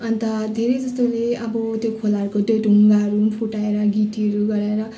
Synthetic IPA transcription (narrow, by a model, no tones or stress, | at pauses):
ʌnt̪ʌd̪ʱeɾejd͡zʌst̪oleʌbʌt̪jokʰolaʌɾukod̪oɖʱuŋɡaʌɾunpʰuʈaeɾʌɡiʈiʌɾuɡʌɾaeɾʌ